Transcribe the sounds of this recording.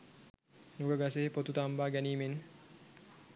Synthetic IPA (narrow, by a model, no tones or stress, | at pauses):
nuɡəɡaseɦepot̪ut̪ambaːɡɛniːmenːə